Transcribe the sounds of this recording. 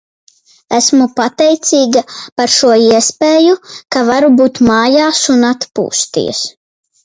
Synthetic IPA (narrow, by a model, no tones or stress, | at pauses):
æsmupat̪ɛjt̪siːɡapaɾʃuɔiɛspeːjukavaɾubuːt̪maːjaːsunat̪pṵːst̪ḭɛs